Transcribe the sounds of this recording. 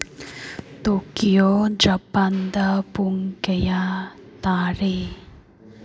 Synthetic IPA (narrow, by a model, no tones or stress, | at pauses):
t̪okijod͡ʒɐpand̪apuŋkejat̪aːɾe